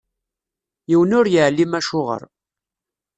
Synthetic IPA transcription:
jiwənʊɾjəʕlːimæʃʊʁə̰ɾˤ

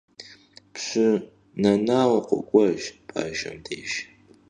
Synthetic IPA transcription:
pɕɨ | nɐnaːwɐqʷɔ̰kʷʼɔʒpʰʼa̰ːʒɐ̰mdʰeːʒ

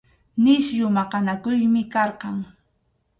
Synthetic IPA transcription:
nɪʃjʊmɑqɑnakʊjmɪkɑɾqɑŋ

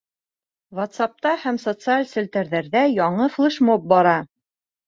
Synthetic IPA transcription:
wot̪sɑp̚t̪ɑhæmsot̪sɨalʲsɵ̆lʲt̪æɾðæɾðæjɒɴɤflˠɤʃmop̚bɑɾɑ

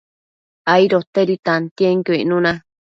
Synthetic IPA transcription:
aiɾot̪eɾit̪ant̪ieŋkoiʔnũnã

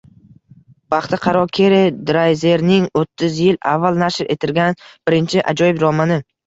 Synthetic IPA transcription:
b̥ɑχt̪ʰɪqʰɑɾɒkʲʰe̞ɾɪd̪ɾajze̞ɾnɪŋot̪ʰːɪzjɪla̰vːalˠnaʃɾe̞t̪ʰɪɾɡʲanb̥ɪɾɪnt͡ʃʰɪʔa̰d͡ʒɒjɪbɾɒmanɪ

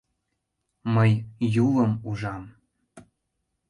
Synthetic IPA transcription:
mɤjjulˠə̆muʒɑm

